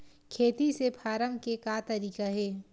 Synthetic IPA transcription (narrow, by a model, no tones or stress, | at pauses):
kʰeːt̪isepʰaːɾəmkekaːt̪ɐɾiːkaɦɛː